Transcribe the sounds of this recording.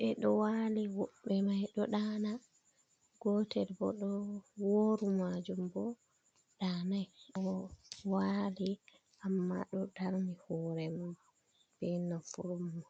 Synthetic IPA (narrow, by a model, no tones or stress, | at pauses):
ʔɛɗɔwaliwɔɓɛmajɗɔɗaːna | ɡɔtɛɾbɔ̰ɗɔwoɾumad͡ʒumbɔ | ɗanajɗɔwali | ʔamːa̰ɗɔdaɾnihɔɾɛmɔ | b̥ɛnafuɾumːɔ